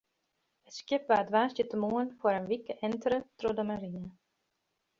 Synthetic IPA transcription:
ətskjɪp̚ʋaːdʋaːsjətəmuənfəɾənʋikəɛntərətrodəmaɾinə

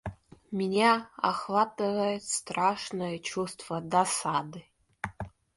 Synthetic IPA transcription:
mʲinʲaa̰χvat̪ʼɨvɐjet̪st̪raʂnɐjɛt͡ʃʰust̪v̥ɐd̪asadɨ

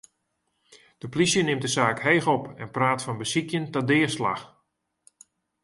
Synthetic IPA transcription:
d̥əplisjənɪmdəzaːkhejxɔpɛnpraːtfɑnbəsikjəntɔdɪːəsla̰x

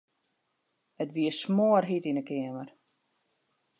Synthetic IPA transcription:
hətʋiəsmoːərɦitinəkɪəmər

